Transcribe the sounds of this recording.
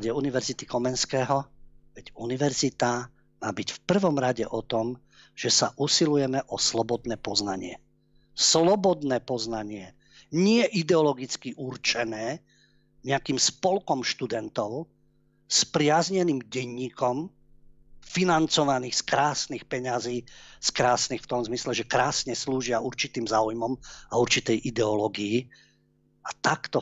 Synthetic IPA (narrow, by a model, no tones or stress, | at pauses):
ɟɛuniʋɛɾzit̪ikɔmɛnskɛːɦɔʋɛɟuniʋɛɾzit̪a | maːbicfpr̩ʋɔmɾaɟɛʔɔt̪ɔm | ʒ̥ɛsaʔusilujɛmɛʔɔslɔbɔd̪nɛːpɔznaɲɪɛ̰ | slɔbɔd̪nɛːpɔznaɲɪɛ | ɲɪɛʔid̪ɛɔlɔɡit͡skiʔurt͡ʃɛnɛː | ɲɛakiːmspɔlkɔmʃt̪ud̪ɛnt̪ɔʊ | spɾɪazɲɛniːmɟɛɲːiːkɔm | finant͡sɔʋaniːxskɾaːsnixpɛɲaziːskɾaːsnixft̪ɔmzmislɛʒɛkɾaːsɲɛsluːʒɪauɾt͡ʃit̪iːmzaːujmɔmauɾt͡ʃit̪ɛjʔid̪ɛɔlɔɡiji | at̪akt̪ɔ